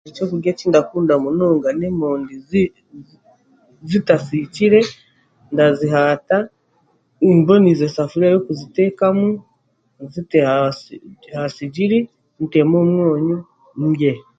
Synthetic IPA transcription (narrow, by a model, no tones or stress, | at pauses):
it͡ʃokuɡat͡ʃiːndakuːndamunoːŋɡanemoːndi | zitasit͡ʃiɾe | ndaziɦata | imbonizesafuɾiajokuzitekamu | ziteha | hasiɟiɾi | n̩temomwoːɲo | ŋɡe